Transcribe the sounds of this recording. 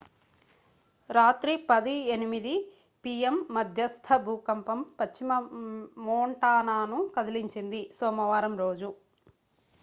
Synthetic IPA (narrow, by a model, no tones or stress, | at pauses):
ɾaːt̪ɾipɐd̪ienimid̪i | piːjemːɐd̪ʱjɐst̪ʰɐbʱuːkɐmpɐmpɐt͡ʃt͡ʃːimɐmɔːɳʈaːnaːnukɐd̪iliɲt͡ʃind̪isɔːmɐʋaːɾɐmɾoːd͡ʒu